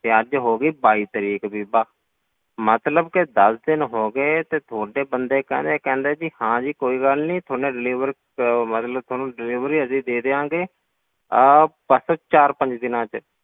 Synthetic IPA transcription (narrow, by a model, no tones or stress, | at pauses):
t̪eːəd͡ʒɦoːɡiːbaːiːt̪əɾiːkbiːbaː | mət̪ləbkɪd̪əsd̪ɪnɦoːɡeːt̪eːt̪ʰoːɖeːbənd̪eːkɛ̰̃ːnd̪eːkɛ̃ːnd̪eːd͡ʒiːhãːd͡ʒiːkoːiːɡəlnĩːt̪ʰoːnẽːɖɪliːʋəɾ | mət̪ləb̚t̪ʰoːnũːɖɪliːʋɾiːəsiːd̪eːd̪eːãːɡeː | pəsət͡ʃaːɾpə̃ɲd͡ʒd̪ɪnãːt͡ʃ